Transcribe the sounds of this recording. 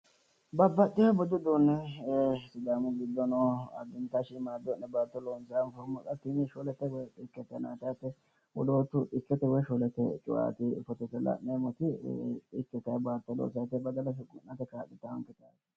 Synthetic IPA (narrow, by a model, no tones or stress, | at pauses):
bɐbːɐt̪ʼːɪhɐbɔd̪ʊd̪uːnːɛ | sɪd̪aːmʊɡɪd̪ːɔnɔɐ̰ɡ̪ɪnt̪aʃɪmaːd̪ɔnɛbaːt̪ːɔloːnsaanfɔɾmʊkʼɐt̪ːɪnɪʃɔlɛt̪ːɛwɔt̪ʼɪkːɛt̪ːɛna̰ːt̪ɐjt̪ːɛ | wɔloːt̪ːʊt̪ʼɪkːɛt̪ːɛwɔʃɔlɛt̪ːɛt͡ʃʼʊʔa̰ːt̪ɪfɔt̪ɛt̪ːɛlɐ̰mːeːmɔt̪ɪt̪ɪkːɛt̪ɐjbaːt̪ːɛlo̰ːsat̪ːɛbɐd̪ɐlɐs̬ɪɡʊ̰nːɐt̪ːɛkaːtːɪt̪ːɐɐŋkɛt̪a̰ːt̪ɪ̥